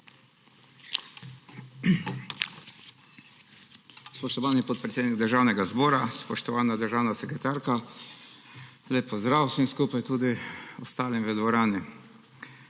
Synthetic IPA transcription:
spɔʃt̪ɔʋaːnipɔt̪̚pɾɛt̪eːd̪niɡ̚d̪əɾʒaːwnɛɡazbɔːɾaspɔʃt̪ɔʋaːnad̪əɾʒaːwnasɛkɾɛt̪aːɾka | leːpːɔzd̪ɾawsəmskuːpajt̪uːd̪iɔst̪aːlimʋəd̪ʋɔɾaːni

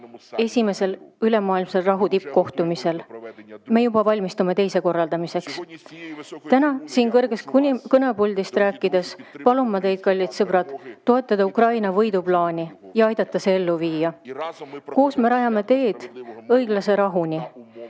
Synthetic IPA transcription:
e̞sʲime̞se̞lyle̞mɑːilmselrɑɦut̪ip̚ko̞ht̪umise̞lme̞jubɑvɑlʲmist̪ume̞t̪e̞jse̞ko̞rːɑld̪̥ɑmise̞ks | t̪ænɑsiːnkɤrɡ̥e̞skɤnebulʲd̪ist̪ɾæːkːˑid̪e̞spɑlumːɑt̪e̞jd̪̚kɑlʲːit̪sɤb̥ɾɑt̪ːo̞e̞t̪ˑːɑd̪̥ɑukrɑjnɑvɤjd̪̥ublɑːnʲijɑɑjd̪̥ɑt̪ːˑɑse̞e̞lːuviːjɑ | ko̞ːsme̞ɾɑjɑme̞t̪e̞ːd̪̥ɤ̞jɡ̥lɑse̞ɾɑɦunʲi

